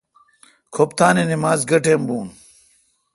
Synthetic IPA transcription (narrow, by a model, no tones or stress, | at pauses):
kʰopt̪aːnenimaːzɡɐʈembuːn